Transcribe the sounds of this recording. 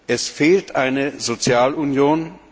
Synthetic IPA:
ʔɛsfeːltʰʔaɪnəzot͡sjaːlunjoːn

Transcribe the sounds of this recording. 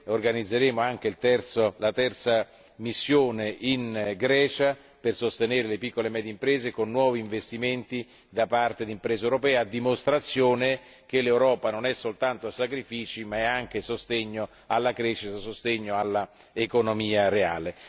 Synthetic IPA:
orɡanid̪zːeɾeːmoaŋk̟eilt̪ɛrt̪solat̪ɛrt̪sa | misːjoːneʔinɡɾɛːt͡ʃa | persost̪eneːɾelepikːolemɛːd̪jeimpɾeːzekonːwɔːviːɱvest̪iment̪i | d̪apart̪ed̪impɾeːzewɾopɛːad̪ːimost̪ɾat̪sːjoːne | k̟elːewɾɔːpanonɛsːolt̪ant̪osakɾifiːt͡ʃimaɛaŋk̟esost̪eɲːo | alːakɾeʃːit̪asost̪eɲːoalːa | ekonomiːaɾea̰ːle

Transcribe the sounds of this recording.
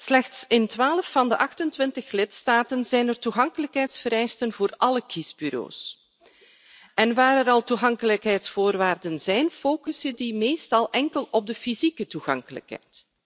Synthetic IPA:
slɛxtsɪntʋaːləfːɑndəʔɑxtəntʋɪntəxlɪtstaːtənzɛjnərtuɣɑŋkələkɦɛjtsfəɾɛjstənvoːrʔɑləkizbyɾo̰ːs | ɛnʋaːɾɛɾɑlˠtuɣɑŋkələkɦɛjtsfoːrʋaːrdənzɛjnfoːkəsədimeːstɑlˠʔɛŋkəlɔb̚dəfizikətuɣɑŋkələ̰kɦɛ̰jt

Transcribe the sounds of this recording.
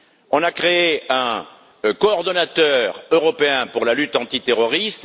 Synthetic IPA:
ɔ̃nakχeeɛ̃ | kɔɔʁd̪ɔnat̪œʁøʁɔpeɛ̃puʁlalyt̪ɑ̃t̪it̪eʁɔʁist̪

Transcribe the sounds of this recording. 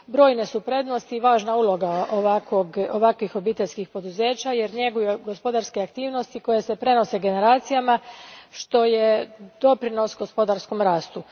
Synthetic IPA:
bɾo̞ːjne̞supɾe̞d̪nost̪iːʋaːʒnaulˠo̞ɡaoʋakoɡoʋakʋixo̞biːt̪e̞ʎʲskixpo̞d̪uze̞ːt͡ɕaje̞ɾɲe̞ɡujeɡo̞spo̞d̪aɾskeakt̪iːʋno̞st̪iko̞jese̞pɾe̞no̞se̞ɡe̞ne̞ɾaːt̪sijamaʃt̪o̞jed̪̥o̞pɾino̞sɡo̞spo̞d̪aɾsko̞mɾaːst̪u

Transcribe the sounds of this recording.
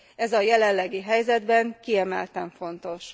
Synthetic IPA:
ɛzɒjɛlɛnːɛɡiɦɛjzɛd̪bɛŋkiɛmɛlt̪ɛɱfo̞nt̪o̞ʃ

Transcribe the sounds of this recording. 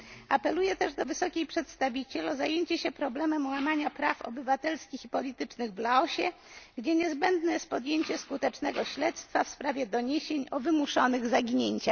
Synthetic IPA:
ʔapɛlujɛt̪ɛʐd̪ɔvɘsɔkʲejpʂɛt̪st̪avʲit͡ɕɛlɔzajeɲt͡ɕɛɕɛpɾɔblɛmɛmwamaɲapɾafɔ̰bɘvat̪ɛlskʲixipɔlʲit̪ɘt͡ʂnɘɣvlaɔɕɛɡd͡ʑɛɲɛzbɛnd̪nɛspɔd̪jeɲt͡ɕɛskut̪ɛt͡ʂnɛɡɔɕlɛt̪st̪fafspɾavʲjɛd̪ɔɲeɕeɲɔvɘmuʂɔnɘɣzaɡʲiɲeɲt͡ɕa

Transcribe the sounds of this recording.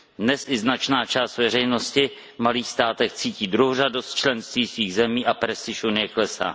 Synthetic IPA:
dnɛsʔɪznat͡ʃnaːt͡ʃaːst̪vɛr̝ɛjno̞scɪ | maliːxst̪aːt̪ɛxt͡siːciːd̪ɾuɦor̝ado̞st̪̚t͡ʃlɛnst̪viːsviːɣzɛmiːʔapɾɛst̪ɪʃunɪjɛklɛsa̰ː

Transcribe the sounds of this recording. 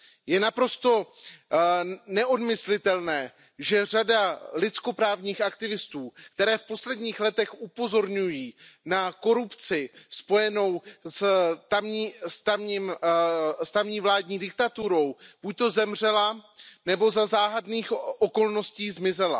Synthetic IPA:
jɛnapɾo̞st̪o̞ | nɛʔo̞dmɪslɪt̪ɛlnɛː | ʒɛr̝adalɪt͡sko̞pɾaːvɲiːxak̚t̪ɪvɪst̪uːkt̪ɛɾɛːfpo̞slɛdɲiːxlɛt̪ɛxupo̞zo̞ɾɲujiːnako̞ɾupt͡sɪspo̞jɛno̞wst̪amɲiːst̪amɲim | st̪amɲiːvlaːdɲiːdɪk̚t̪at̪uɾo̞wb̥uc̚t̪o̞zɛmr̝ɛlanɛbo̞zazaːɦadniːxʔoko̞lno̞sciːzmɪzɛla̰

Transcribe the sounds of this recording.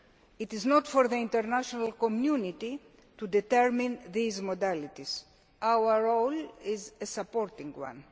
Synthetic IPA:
it̪ɪznɔt̪foɾðəĩnt̪əɾnaʃonalkomjunit̪i | t̪ud̪ɛt̪ɛɾmĩnðiːzmod̪alit̪iz̥ | ʔawəɹolɪzesapoɾt̪ĩŋɡwã̰n

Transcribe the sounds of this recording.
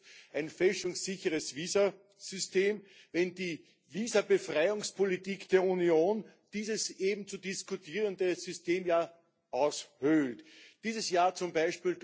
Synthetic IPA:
ʔæɪnfɛlʃʊŋsːɪçəʁəsviːzɐ | z̥ʏsteːm | vɛndiː | viːzɐbəfʁaɪʊŋspʰolitiːkd̥eːɐunjoːn | d̥iːzəsʔeːbm̩t͡sudɪskʊtʰiːʁəndəz̥ʏsteːmjaː | ʔaʊshøltd̥iːzəsjaːɐt͡sʊmbæɪʃpiːld

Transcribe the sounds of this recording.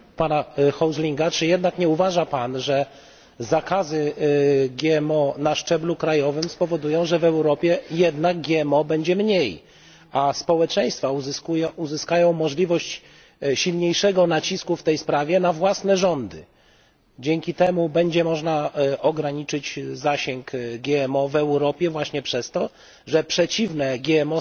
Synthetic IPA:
panaxɔwzlʲiŋɡat͡ʂɘjɛd̪nakɲɛuvaʐapanʐɛ | zakazɘ | ɡʲjɛɛmɔnaʂt͡ʂɛblukɾajɔvɘmspɔvɔd̪ujɔ̃w̃ʐɛvɛwɾɔpʲjɛjɛd̪naɡ̚ɡʲɛɛmɔbɛɲd͡ʑɛmɲej | aspɔwɛt͡ʂɛj̃st̪fauzskujuzɘskajɔ̃w̃mɔʐlʲivɔɕt͡ɕ | ɕilɲejʂɛɡɔnat͡ɕiskuft̪ɛjspɾavʲjɛnavwasnɛʐɔnd̪ɘ̰ | d͡ʑɛŋkʲit̪ɛmubɛɲd͡ʑɛmɔʐnaʔɔɡɾaɲit͡ʂɘt͡ɕzaɕɛŋkɡʲjɛɛmɔvɛwɾɔpʲjɛvwaɕɲɛpʂɛst̪ɔ | ʐɛpʂɛt͡ɕivnɛɡʲjɛɛmɔ

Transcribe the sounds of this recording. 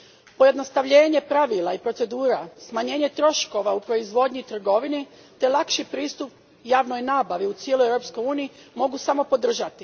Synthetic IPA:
po̞je̞d̪no̞st̪aʋʎe̞ːɲe̞pɾaʋilˠaipɾo̞t̪se̞d̪uːɾasmaɲe̞ːɲe̞t̪ɾo̞ʃko̞ʋaupɾo̞izʋo̞d̪ɲit̪r̩ɡo̞ʋini | t̪e̞lˠakʃipɾiːst̪up̚ | jaːʋno̞jnaːbaʋiut̪sje̞lˠoevɾo̞psko̞juːniimo̞ɡusamo̞po̞d̪r̩ʒat̪i

